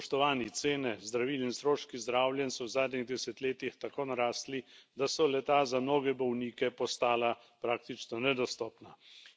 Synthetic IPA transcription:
ɔʃt̪ɔʋaːnit̪seːnɛzd̪ɾaʋiːlinst̪ɾoːʃkizd̪ɾawljɛnsɔwzaːd̪niɣd̪ɛsɛt̪leːt̪ixt̪akoːnaɾaːst̪lid̪asɔlɛt̪aːzamnoːɡɛbɔwniːkɛpɔst̪aːla | pɾaːk̚t̪it͡ʃnɔnɛd̪ɔst̪ɔːpna

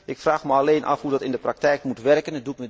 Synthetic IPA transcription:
ʔɪkfraːxməaleːnʔɑ̰fɦudɔtɪndəprak̚tɛjkmutʋɛrkənɛdutmə

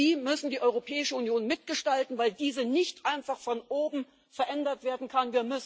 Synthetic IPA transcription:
iːmʏsn̩diːʔɔʏʁ̞opʰɛːɪʃəunjoːnmɪt̚ɡ̥əʃtaltn̩vaɪldiːzənɪçtʔaɪnfaχfɔnʔoːbm̩ | fɛɐʔɛndɐtv̥eːɐdn̩kʰanviːɐmʏs

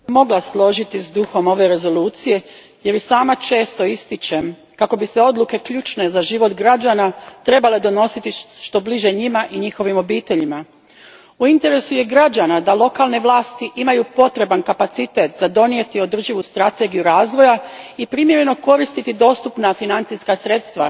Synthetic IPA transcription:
mo̞ɡlˠaslˠo̞ʒit̪izd̪uxo̞mo̞ʋe̞ɾe̞zo̞luːt̪sije̞ | je̞ɾjesaːmat͡ʃe̞ːst̪o̞ist̪it͡ʃe̞m | kako̞biseo̞d̪luke̞kʎuːt͡ʃne̞zaʒiʋo̞t̪ɡɾad͡ʒaːnat̪ɾe̞bale̞d̪o̞no̞sit̪iʃt̪o̞bliʒe̞ɲimaʔiɲixo̞ʋimo̞biːt̪e̞ʎima | uint̪e̞ɾe̞suje̞ɡɾad͡ʑanad̪alˠo̞kaːlne̞ʋlˠaːst̪iʔimajupo̞t̪ɾe̞bankapat̪sit̪e̞t̪zad̪o̞nije̞t̪io̞d̪r̩ʒiʋust̪ɾat̪e̞ɡijuɾaːzʋo̞jaipɾimje̞ɾe̞no̞ko̞ɾist̪it̪id̪o̞ːst̪upnafinant̪siskasɾe̞t̪st̪ʋa̰

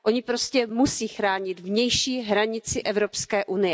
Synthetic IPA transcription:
ʔʔo̞ɲɪpɾo̞scɛmusiːxɾaːɲɪt̪vɲɛjʃiːɦɾaɲɪt͡sɪʔɛvɾo̞pskɛːʔunɪjɛ

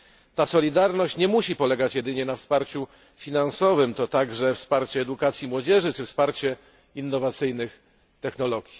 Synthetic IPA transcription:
t̪asɔlʲid̪aɾnɔɕt͡ɕɲɛmuɕipɔlɛɡat͡ɕjɛd̪ɘɲɛnafspaɾt͡ɕu | fʲinansɔvɘmt̪ɔt̪aɡʐɛfspaɾt͡ɕɛːd̪ukat̪sʲjimwɔd͡ʑɛʐɘt͡ʂɘfspaɾt͡ɕɛ | inːɔvat̪sɘjnɘx | t̪ɛxnɔlɔɡʲji

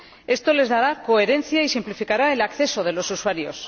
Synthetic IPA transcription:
e̞st̪o̞le̞zðaɾako̞e̞ɾe̞nθjaisimplifikaɾaelakθe̞so̞ð̞e̞lo̞suswaɾjo̞̰s

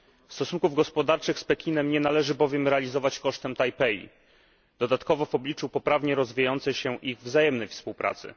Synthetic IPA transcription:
fst̪ɔsunkuvɡɔspɔd̪aɾt͡ʂɘxspɛkʲinɛmɲɛnalɛʐɘbɔvʲjɛmɾɛalʲizɔvat͡ɕkɔʂt̪ɛmt̪ajpɛḭ | d̪̥ɔd̪at̪kɔvɔvɔblʲit͡ʂupɔpɾavɲɛɾɔzvʲijajɔnt̪sɛɕɛʔiɣvzajɛmnɛjfspuwpɾa̰t̪sɘ̰

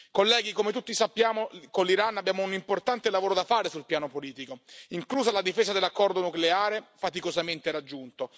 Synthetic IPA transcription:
kolːɛːɡikomet̪ut̪ːisapːjaːmokolːiɾanːabːjaːmounimport̪ant̪elavoːɾod̪afaːɾesulpjaːnopoliːt̪ikoiŋkluːzalad̪ifeːzad̪elːakːɔrd̪onukleaːɾefat̪ikozament̪eɾad͡ʒːunt̪o

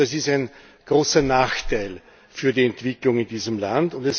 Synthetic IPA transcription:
as̬ɪstæɪn | ɡ̥ʁoːsɐnaːxtʰaɪl | fyːɐdiɛntv̥ɪklʊŋɪndiːzəmlandʊndɛs

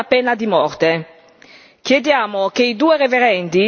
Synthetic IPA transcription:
apːenad̪imɔrt̪e | k̟jed̪jaːmokeid̪uːeɾeveɾɛnt̪i

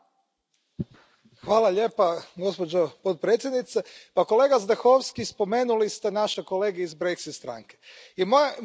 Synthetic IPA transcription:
xʋaːlˠaʎe̞ːpaɡo̞spod͡ʑopot̪̚pɾet̪sʲje̞d̪nit̪sepako̞le̞ːɡazd̪axoʋskispo̞me̞ːnulist̪e̞naʃeko̞le̞ːɡeizbɾeksit̪st̪ɾa̰ŋke | imo

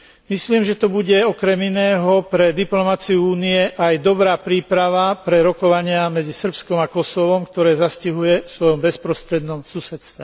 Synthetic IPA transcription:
misliːmʒɛt̪ɔbuɟɛɔkɾɛminɛːɦɔpɾɛd̪iplɔmat͡siuuːniɛʔajd̪ɔbɾaːpɾiːpɾaʋapɾɛɾɔkɔʋaɲɪamɛd͡zisr̩pskɔmakɔsɔʋɔmkt̪ɔɾɛːzasciɦujɛsʋɔjɔmbɛspɾɔst̪ɾɛd̪nɔmsusɛt̪st̪ʋɛ

